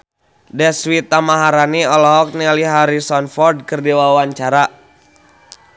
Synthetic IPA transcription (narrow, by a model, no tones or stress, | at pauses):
dɛswit̪amaɦaɾaniɔlɔɦɔk̚nɛliɦaɾisɔnfɔrd̚kərdiwawaɲt͡ʃaɾa